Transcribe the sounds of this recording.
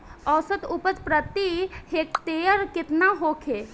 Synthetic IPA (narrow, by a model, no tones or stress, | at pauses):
ɔːsət̪upət͡ʃpɾət̪ihek̚t̪ejəɾkɪt̪naɦokʰe